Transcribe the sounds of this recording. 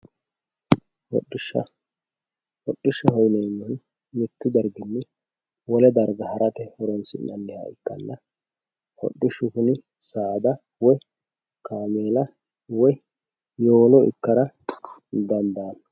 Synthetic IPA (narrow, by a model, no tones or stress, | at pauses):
hɔ̰ɗːɪʃːɐ̰ | hɔɗːɪʃːɐhɔjnɛjmːɔn | mɪt̪ːɪd̪ɐɾɡɪnːɛ | wɔlɛd̪ɐɾɡɐhɐɾʔɐt̪ɛhɔɾɔnsɪ̰nːɐnːɛhɐ̰ɪkːɐ̰lːɐ | hɔ̰ɗːɪʃːʊkʊnɪ | saːd̪ɐ | wɔj | kaːmeːlɐ | wɔj | joːlɔɪ̰kːɐɾɐ | d̪ɐnd̪aːnɐ